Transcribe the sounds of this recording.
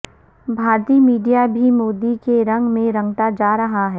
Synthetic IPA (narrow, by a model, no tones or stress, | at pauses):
bʱaːɾt̪iːmiːɖijabʱimoːd̪ikeɾɐ̃ŋɡmẽɾɐ̃ŋɡt̪ad͡ʒaːɾɐɦaɦɛː